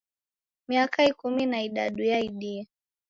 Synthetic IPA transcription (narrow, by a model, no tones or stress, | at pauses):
miakaikuminaiɗa̰ɗijaiɗi